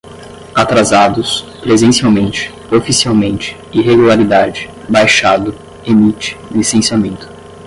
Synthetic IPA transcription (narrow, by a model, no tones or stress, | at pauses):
at̪ɾazad̪ʊs | pɾezẽsiawmẽnt͡ʃɪ̥ | ofisiawmẽnt͡ʃɪ̥ | iɦeɡulaɾid̪ad͡ʒɪ̥ | bajʃad̪ʊ | emit͡ʃɪ̥lisẽsiamẽnt̪ʊ̥